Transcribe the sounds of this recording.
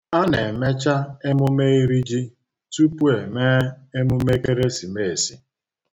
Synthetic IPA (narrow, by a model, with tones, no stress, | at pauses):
a˦ne˨me˦t͡ʃa˦e˦mʊ˦me˦i˦ɾi˦d͡ʒi˦ | tu˦pu˦e˨me˦e˦mʊ˦me˦ke˦ɾe˦si˨me˦˨e˨si˦